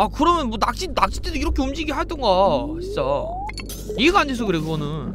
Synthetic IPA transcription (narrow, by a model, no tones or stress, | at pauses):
akɯɾʌmjʌnmwʌnak̚t͡ɕ͈inak̚t͡ɕ͈itʰeduiɾʌkʰe̞ɯmd͡ʑiɡiɦaɭt͈ʌnɡat͡ɕit͡ɕ͈a | ieɡandʰe̞s̬ʰʌkɯɾe̞ɡonɯn